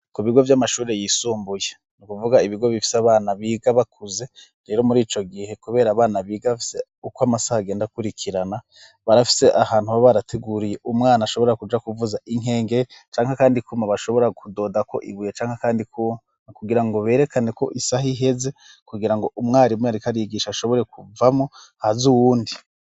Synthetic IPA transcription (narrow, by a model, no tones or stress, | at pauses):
kuβiɡo̞vjamaʃuːɾe̞jisuːmbuje | nukuvuɡaiβiɡo̞βifi̥saβaːnaβiːɡaβakʰuze̞ | ɾe̞ːɾo̞muɾiːt͡ʃo̞ɡihe̞kuβe̞ːɾaːβaːnaβiːɡaβafi̥se̞ | ukwamasahaɡe̞ːndakuɾikʰiɾana | βaɾafi̥se̞ʔahaːn̥huβaβaɾatʰeɡuɾije̞ʔumŋaːnaʃo̞βoɾɾakud͡ʒakuvuzaʔiŋe̞ːŋɡe̞ɾit͡ʃaːŋhakaːndikuːmaβaʃo̞βo̞ɾakudo̞ːdako̞̰ʔḭβujet͡ʃaːŋhakaːndikʰuːma | akuɡiɾaŋɡo̞βe̞ːɾe̞kane̞ko̞̰ʔisaɦiɦe̞ze̞ | kuɡiɾaŋɡo̞ʔumŋaːɾimweaɾikaɾijiɡiːʃaaʃoβo̞ɾe̞kuvamo | hazuwuːndi